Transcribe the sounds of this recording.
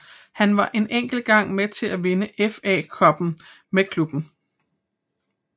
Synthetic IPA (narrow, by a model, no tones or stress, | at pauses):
hænʋɑ̈ʔe̝nʔeŋ̰ɡ̥l̩ɡ̥ɑ̈ŋ̰met͡sʰe̝læʋe̝nəʔefɛ̰ːkʰɒ̽b̥n̩ | mekʰlub̥n̩